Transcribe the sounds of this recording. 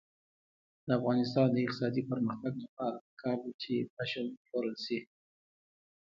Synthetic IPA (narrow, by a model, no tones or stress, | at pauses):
d̪əafɣɑnɪst̪ɑnd̪əɪq̪̚ɪ̥sɑd̪ipəɾməxt̪aɡlapɑɾakʰɑbit͡ʃepaʃankoɾəlsi